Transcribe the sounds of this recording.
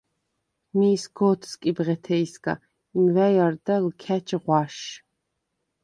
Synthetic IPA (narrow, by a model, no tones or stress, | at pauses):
miːsɡɔt̪ʰskʼibʁɛt̪ʰɛjsɡa̰ | imvæjaɾd̪alkʰæt͡ʃʰʼʁwaʃ